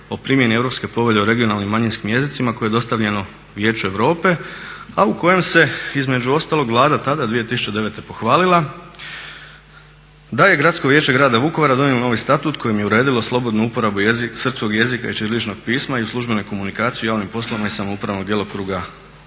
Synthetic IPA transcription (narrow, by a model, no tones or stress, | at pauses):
o̞pɾimje̞nie̞ʋɾo̞pske̞po̞ʋe̞ʎeuɾe̞ɡio̞nalˠnimːaɲinskimje̞zit̪simakoeed̪o̞st̪aʋʎe̞no̞ | ʋje̞ːt͡ʃue̞ʋɾo̞ːpe̞auko̞je̞mse̞izme̞d͡ʒuo̞st̪aːlˠo̞ɡʋlˠaːd̪at̪ad̪ad̪ʋije̞t̪isu̥t͡ʃed̪e̞ʋe̞t̪e̞po̞xʋaːlilˠa | d̪aje̞ɡɾat̪sko̞ʋjeːt͡ɕe̞ɡɾaːd̪aʋuko̞ʋaɾad̪o̞njelono̞ʋijst̪at̪uːt̪kʰo̞jimjeuɾe̞ːd̪ilo̞slˠo̞bo̞d̪nuupo̞ɾabuisr̩psko̞ɡje̞zika̰it͡ʃiɾlit͡ʃno̞ɡ̥̚piːsmaiuslˠuʒbe̞no̞jko̞munikaːt̪sijujaːʋnimpo̞slˠoʋimaisamoupɾaʋno̞ɡ̚d̪je̞lokɾuːɡa